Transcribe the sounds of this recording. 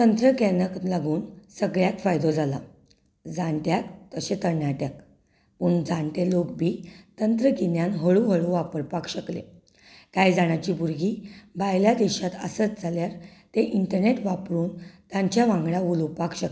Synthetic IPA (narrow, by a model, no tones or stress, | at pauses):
t̪ənt̪ɾəkenəklaɡuːnsəɡɭjak̪fajd̪od͡zʱala̰ | d͡zaɳʈjakt̪əɕet̪əɾnjaʈjak | puɳd͡zãɳʈelokbʱiːt̪ənt̪ɾəkinjanɦəɭuɦəɭuʋapəɾpakɕəklḛ | kajd͡zaɽ̃at͡ɕiːbuɾɡiːbʱajljad̪eɕat̪əsət͡sd͡zʱaljaɾt̪eʔiɳʈəɾneʈʋapɾuːnt̪jãɲt͡ɕjaʋãŋɡɭjaʋuluwpakɕək